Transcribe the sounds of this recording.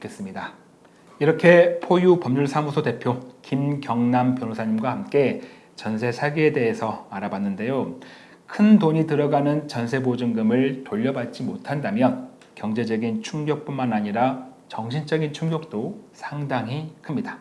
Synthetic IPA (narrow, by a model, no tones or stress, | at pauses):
ɯk͈ʰe̞s͈ɯmɲida | iɾʌkʰe̞pʰojupʌmɲuɭsʰamusʰote̞pʰjokimɡjʌŋnampjʌnosʰaɲimɡwahamk͈e̞ | t͡ɕʌnsʰe̞sʰaɡiede̞ɦesʰʌaɾabanːɯnde̞jo | kʰɯndoɲitɯɾʌɡanɯnt͡ɕʌnsʰe̞bod͡ʑɯŋɡɯmɯɭtoʎːʌbat̚t͡ɕ͈imotʰandamjʌn | kjʌŋd͡ʑe̞d͡ʑʌɡint͡ɕʰuŋɡjʌk̚p͈unmanaɲiɾat͡ɕʌŋɕ̬ʰint͡ɕʌɡint͡ɕʰuŋɡjʌk̚t͈osʰaŋdaŋɦikʰɯmɲida